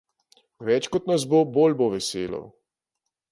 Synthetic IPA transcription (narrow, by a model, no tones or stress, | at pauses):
ʋɛt͡ʃkɔt̪nɐs̬boboːlboʋɛseːlɔ̰